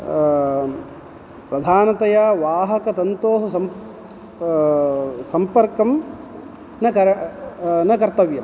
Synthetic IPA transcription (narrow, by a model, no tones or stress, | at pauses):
pɾɐd̪ʱaːnɐt̪ɐjaːʋaːɦɐkɐsɐnt̪oːɦusɐm | sɐmpɐɾkɐm | nɐkɐɾɐ | nɐkɐɾt̪ɐʋjɐm